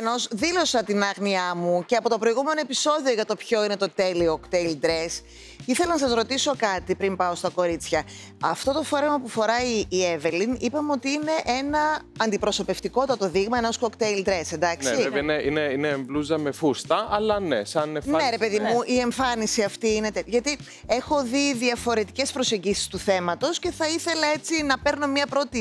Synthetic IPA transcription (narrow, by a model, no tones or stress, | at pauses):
nozðilo̞sɐt̪inɐɣniɐmuce̞ɐpo̞t̪opɾo̞iɣume̞no̞episo̞ðio̞ʝɐt̪o̞pço̞ine̞t̪o̞t̪e̞liokt̪eild̪ɾes | iθelɐnɐs̬ɐzɾo̞t̪iso̞kɐt̪ipɾimpɐo̞st̪ɐko̞ɾit͡sçɐ | ɐft̪o̞t̪o̞fo̞ɾemɐpufo̞ɾɐievelinipɐmeo̞t̪iine̞ʔe̞nɐɐnd̪ipɾo̞so̞pe̞ft̪iko̞t̪ɐt̪o̞ðiɣmɐenoskokt̪ejld̪ɾe̞send̪ɐksineineineːɱbluzɐme̞fust̪ɐɐlɐnesɐnene̞ɾe̞pe̞ðimuʔie̞ɱfɐnisiɐft̪iinet̪eʝɐt̪i | e̞xo̞ðiðiɐfo̞ɾe̞t̪ice̞spɾo̞se̞ɲɟisi̥st̪uθe̞mɐt̪o̞sce̞θɐiθe̞lɐe̞t͡sinɐpe̞ɾno̞mɲɐpɾo̞t̪i